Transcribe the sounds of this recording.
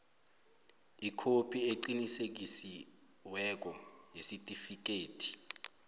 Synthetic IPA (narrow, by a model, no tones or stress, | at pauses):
ikʰopʰʼieǃinisek̬isi | wɛk̬ʼɔjesitʼifik̬ʼeːtʰi̥